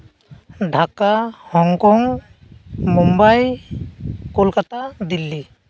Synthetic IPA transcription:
ɖʱakahɔŋkɔŋ | mɔmbaj | kolkat̪ad̪ilːi

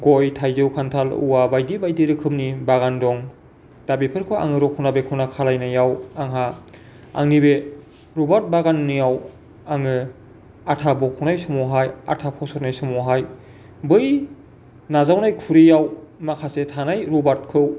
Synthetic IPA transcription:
ɡojtʰajzɯwkʰantʰalṵwabajdibajdiɾɯkʰɯmnibaɣandɔŋ | d̥abipʰɯɾkʰɯwa̰ŋɯɾɔkʰunabekʰɯnakʰalajnajawaŋɦa | a̰ŋnibe | ɾɔbaɾt̚baɡanːijaw | aŋɯ | atʰabɔkʰuwnajsɔmɔɦaja̰tʰapʰɔwsɔɾnajsɔmɔɦaj | bɯj | nazawnajkʰuɾijawmakʰasetʰanajɾɔbaɾt̚kʰɯw

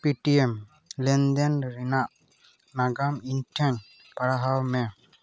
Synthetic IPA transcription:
piʈiɛm | lɛnd̪ɛnɾinaʔ | naɡamiɲʈʰɛɲ | paɽaɦawmɛ

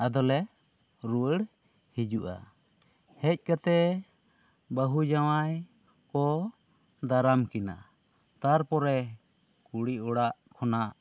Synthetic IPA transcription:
ad̪ɔlɛ | ɾuwəɽ | hid͡ʒuʔa̰ | hɛc̚ˀkat̪ɛ | bəɦud͡ʒawaj | kɔ | d̪aɾamkina̰ | t̪aɾpɔɾɛ | kuɽiʔɔɽaʔkʰɔnaʔ

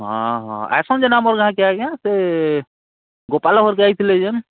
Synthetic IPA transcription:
ɦãɦa̰jsɔnd͡ʒenamɔɾɡʱãkeaɡãse | ɡopalaɦoɾkeajt̪ʰlɛd͡ʒən

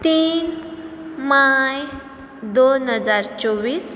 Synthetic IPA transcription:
t̪iːn | maj | d̪onɦəd͡zaɾt͡ɕɔʋiːs

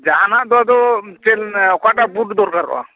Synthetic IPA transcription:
d͡ʒaɦanaʔd̪ɔad̪ɔt͡ʃelɔkaʈabuʈd̪ɔɾkaɾɔ̰a̰

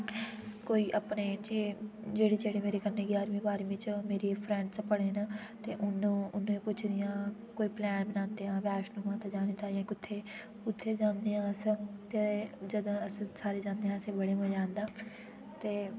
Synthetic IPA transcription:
koːiːʔapneːd͡ʒeːd͡ʒeːɽiːd͡ʒeːɽeːmeːɾeːkənːeːɡjaːɾmĩːbaːɾĩːʋɪt͡ʃmeːɾiːpʰɾɛ̃ːɳɖspəɽeːnaːt̪eːʔʊñːʊnõːẽːpʊt͡ʃʰd̪ɪjãːkoːiːplɛːnbɪnãːnd̪eːãːʋaːʃnũːmãːt̪aːd͡ʒaːnĩːt̪aːjãːkʊt̪ʰːeː | ʊt̪ʰːeːd͡ʒãːnd̪eːãːəst̪ed͡ʒəd̪ãːəssaːɾeːd͡ʒãːnd̪eːãːəsẽːbəɽeːmə̃d͡ʒãːnd̪aː | t̪eː

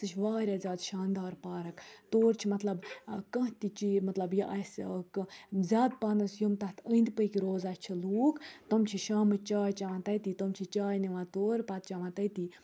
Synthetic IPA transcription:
sɨt͡ʃʰʋaːɾʲaːzʲaːd̪ʃaːnd̪aːɾpaːɾɐkt̪oːɾt͡ʃʰimɐt̪lɐbkɐ̃ɦt̪it͡ʃimɐt̪lɐbjiʔɐskzʲaːd̪̚paːnɐsjumt̪ɐt̪ʰə̃nd̪ʲpəjkiɾoːzaʃʲt͡ʃʰiluːkt̪ɐmt͡ʃʰiʃaːmɨt͡ʃaːjt͡ʃaʋãːt̪ɐt̪it̪ɐmt͡ʃʰit͡ʃaːjniʋãːt̪oːɾpɐt̪̚t͡ʃaʋãːt̪ɐjt̪i

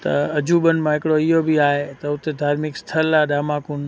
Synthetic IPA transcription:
t̪ɐ̰ɐd͡ʑubənɪ̆mãɦɪkɽoɪɦobiaːɦet̪ɐʊt̪ed̪ʱaːɾmɪkst̪ʰəlːaːɗaːmãːkʊn

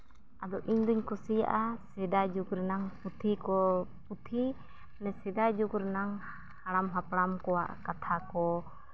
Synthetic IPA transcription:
ad̪ɔʔiɲd̪uɲkɔsija̰ʔasɛd̪ad͡ʒukɾɛnaŋput̪ʰikɔput̪ʰi | nɛsɛd̪ad͡ʒukɾɛnaŋ | haɽamɦapɽamkɔwa̰ʔkat̪ʰakɔ

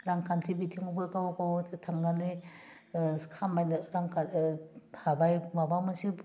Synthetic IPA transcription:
ɾaŋkʰantʰibitʰiŋubɔjkawkowtʰaŋɡanɯj | kʰamajnɾaŋkʰa | habajmabawmasi

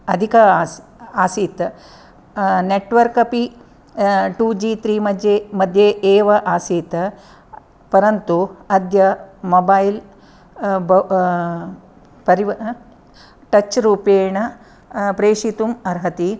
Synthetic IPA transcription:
ɐd̪ʱikɐ | aːsiːt̪ɐ | neʈʋɐɾkɐpi | ʈuːd͡ʒiːt̪ɾiːmɐd̪jemɐd̪ʱjeeːʋɐʔaːsiːt̪ɐ | pɐɾɐnt̪uɐd̪ʱjɐmobɐːjl | b | pɐɾiʋ | ʈɐt͡ʃɾuːpeːɳɐ | pɾeːʂit̪umɐɾɦɐt̪i

